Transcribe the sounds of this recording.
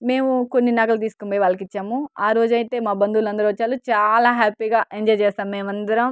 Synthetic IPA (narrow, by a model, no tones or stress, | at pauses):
me̞ːmuko̞nːinaːɡɐlɐt̪̬iːsu̥kombɐːjʋaːlːɐkit͡ʃːaːmuaːɾo̞ːd͡ʒɐjit̪e̞ːmaːbɐnd̪ulɐnd̪ɐɾʋɐt͡ʃːaːlut͡ʃaːlaːɦaːpiːɡaːʔeɲd͡ʒɔːjt͡ʃeːsaːmːeːmɐnd̪ɐɾɐm